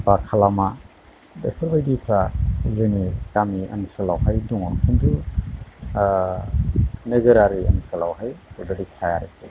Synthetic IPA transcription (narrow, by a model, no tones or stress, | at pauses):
b̥akʰalama | dḛpʰɯɾbajdipʰɾazɯnikamiɐ̰nsɯlawɦajduŋɔkʰindu | nɯɡɯɾaɾiɐ̰nsalawɦajdudaditʰajaɾasḛ